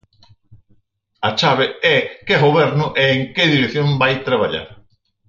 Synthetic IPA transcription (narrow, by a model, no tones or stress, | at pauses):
at͡ʃaβeɛkeɣoβɛɾnʊʔeːŋkeðiɾekθjombajt̪ɾaβ̞aʎa̰ɾ